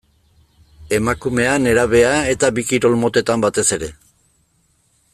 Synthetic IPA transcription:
e̞makume̞ane̞ɾaβ̞e̞ae̞t̪aβikiɾo̞lmo̞t̪e̞t̪ambat̪e̞se̞ɾe̞

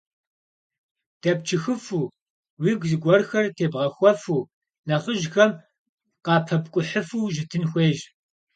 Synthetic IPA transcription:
d̥ʰɐp̚t͡ʃʰɨxɨfuː | wiːɡʷzɨɡʷɔrxɐrtʰeːbʁɐxʷɔfuː | nɐχəʒxɐm | qɑːpʰɐbkʷʼʊħəfuːʒɪtʰɨnxʷeːʒ

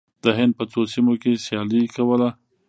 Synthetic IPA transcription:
d̪̥əɦɪnd̪̚pət͡sosimokesjɑlikawəla

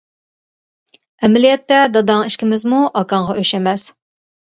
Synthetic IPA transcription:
ɛmɪlijɛt̪ːɛd̪ɑd̪ɑŋiʃkʲɪmɪzmuʔɑkɑɴʁɑʔøʃɛmɛs

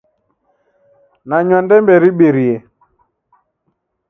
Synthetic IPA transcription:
naɲɔndɛmbɛɾiɓeɾie

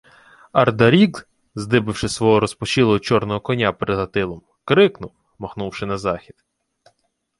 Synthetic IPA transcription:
ɐrd̪ɐɾʲiɡz | zd̪ɪbɪwʃɪsʋɔɦɔɾɔspɔt͡ʃilˠɔɦɔt͡ʃɔrnɔɦɔkɔnʲapeɾed̪ɦɐt̪ɪlˠɔm | kɾɪknʊw | mɔxnuwʃɪnɐzɑxʲid̪

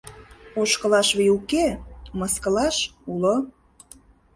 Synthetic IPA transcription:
oʃkə̆lɑʃβijukemɑskə̆lɑʃulo

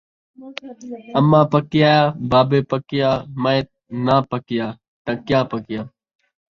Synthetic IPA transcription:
əmːãːpəkɪjaːjaːbaːbeːpəkɪjaːməet̪̚ | nãːpəkɪjaː | t̪ə̃kɪjãːpəkɪjãː

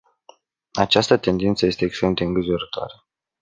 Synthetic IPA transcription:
at͡ʃast̪ət̪e̞nd̪int̪səje̞st̪e̞ːkst̪ɾe̞md̪e̞ɨŋɡɾiʒoɾət̪oa̰ɾə

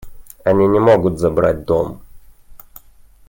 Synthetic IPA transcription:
ɐnʲinʲɪmoɡʊt̪zɐbɾat̚ʲd̪om

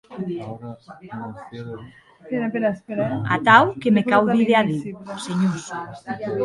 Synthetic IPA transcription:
a̰t̪awkemekawðiðeaðiwseɲos

